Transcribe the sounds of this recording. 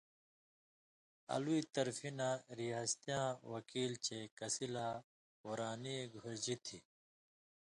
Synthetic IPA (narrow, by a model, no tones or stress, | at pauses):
ɐ̰luit̪ɐɾfinaɾijaːst̪ijãːwɐkiːlt͡ɕekɐsilaː | oɾaːniɡʱoɾd͡ʑit̪ʰi